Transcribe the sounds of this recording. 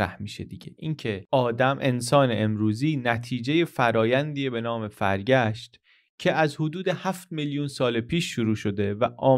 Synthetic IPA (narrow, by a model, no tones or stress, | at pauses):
ɾæ̰hmiːʃed̪iɟḛʔincʰe̞ɒːd̪æmʔe̞nsɒːneʔemɾuːziːnæt̪ʰiːd͡ʒeje̞fæɾɒːjænd̪iːebe̞nɒːme̞fæɾɟæʃt̪ | cʰe̞æzhod̪uːd̪e̞hæft̪̚miljunsɒːlepʰiːʃːuɾuːʃo̞d̪e̞væʔɒː